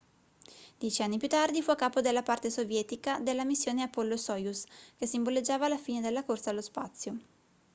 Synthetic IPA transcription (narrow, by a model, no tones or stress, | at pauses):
d̪̥jɛt͡ʃianːipjut̪ːard̪ifuakːaːpod̪elːapart̪esovjɛt̪ikad̪elːamisːjoːneapɔlːosɔːjuskesimboled͡ʒːaːvaːlːafiːned̪elːakorsalːospat̪sːjo